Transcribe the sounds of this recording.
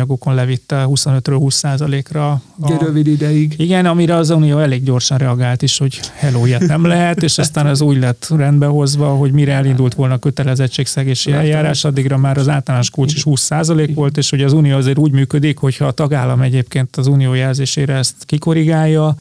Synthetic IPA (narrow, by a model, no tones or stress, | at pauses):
ɒɡo̞ko̞nlɛvit̪ːɛhuso̞nøt̪røːlhuːsːaːzɒleːkrɒɾøvid̪id̪ɛjiɡiɡɛnɒmiɾɛɒzunijoːɛleːɡɟo̞rʃɒnrɛɒɡaːlt̪iʃho̞ɟhɛloːijɛt̪nɛmlɛɦɛt̪eːʃɒst̪aːnɛzuːɟlɛt̪ːrɛnd̪bɛɦo̞zʋɒɦo̞ɟmiɾɛɛlind̪ult̪ʋo̞lnɒkø̞t̪ɛlɛzɛt͡ʃːeːksɛɡeːʃiɛljaːɾaːʃɒd̪ːiɡrɒmaːɾɒzaːlt̪ɒlaːnoʃkult͡ʃiʃhuːsːaːzɒleːkʋo̞lt̪eːʃho̞ɟɒzuːnijoːɒzeːɾuːɟmyːkød̪ikho̞chɒːt̪ɒɡaːlːɒmɛɟeːpkeːnt̪ɒzuːnijoːjɛlzeːʃeːɾɛɛst̪kiko̞ɾiɡaːjːɒ